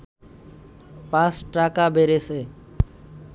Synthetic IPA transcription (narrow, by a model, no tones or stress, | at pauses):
paːsʈɾaːkaːbʱeːɾeːseː